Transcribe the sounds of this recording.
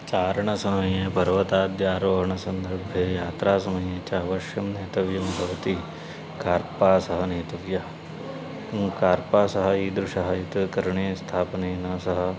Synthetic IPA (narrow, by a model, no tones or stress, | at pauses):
t͡ʃaːɾɳɐsɐmɐjepɐɾʋɐt̪aːd̪jaːɾoːɦɐɳɐsɐnd̪ɐɾbʱjeːjaːt̪ɾaːsɐmɐjet͡ʃaːʋɐʃjɐmneːt̪ɐʋjɐmbʱɐʋɐt̪i | kaːɾpaːsɐɦɐneːt̪ɐʋjɐ | kaːɾpaːsɐɦɐ̆iːd̪ɾuʂɐɦɐit̪kɐɾɐɳeːst̪ʰaːpɐneːnɐsɐɦɐ̆